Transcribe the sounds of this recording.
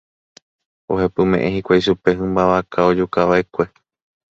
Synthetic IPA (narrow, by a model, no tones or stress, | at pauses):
o̞hepɨmẽ̞ʔẽhikʷajʃupe̞ɦɨ̃mbaʋakʰao̞d͡ʒukaʋae̞kʷe̞